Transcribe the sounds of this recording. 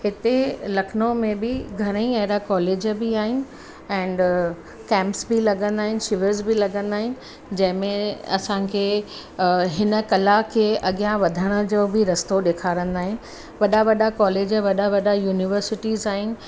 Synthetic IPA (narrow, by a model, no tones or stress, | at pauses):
hɪt̪elɐkʰnõmẽbɪɡʱɐɾə̃ĩɐɦɪɾakɔːleːd͡ʑbiaːɦɪnɪ̆ | ɛ̃ːɳɖ | kɛ̃ːmpsbɪlɐɠə̃nd̪aːɦɪnɪ̆ʃɪʋəɾzbɪlɐɠə̃nd̪aːɦɪnɪ̆ | d͡ʑɐ̃ɦɪ̃mẽɐ̰sãkʰeː | ɦɪnə̆kɐlakʰeːʔɐɠijãʋɐd̪ʱəɽ̃ə̆d͡ʑoːbɪɾɐst̪oɗeːkʰaːɾə̃nd̪aːɦɪnɪ̆ | ʋɐɗaʋɐɗakɔːleːd͡ʑʋɐɗaʋɐɗajuːniʋəɾsɪʈizaːɦɪnɪ̆